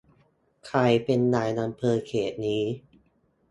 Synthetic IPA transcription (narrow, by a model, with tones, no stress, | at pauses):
kʰɾa˧jpe˧nːaː˧˩jna˧mpʰɤː˧kʰeː˨˩t̪̚niː˦˥